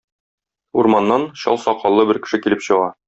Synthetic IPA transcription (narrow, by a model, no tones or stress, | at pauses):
uɾmɑnːɑnɕɒ̰lˠsɑqɒlˠːɤbɘɾkɘ̥̆ʃɘkilɘpɕɤ̆ʁɑ